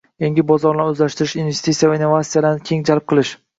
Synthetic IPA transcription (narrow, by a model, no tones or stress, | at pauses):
jeŋʲɪbɒzɒɾnaɾɵzlaʃt̪ɪɾɪʃinvest̪it̪sijavainːovat̪sijalaɾnɪkʲʰe̞ŋd͡ʒalˠp̚qʰɨlˠɪʃ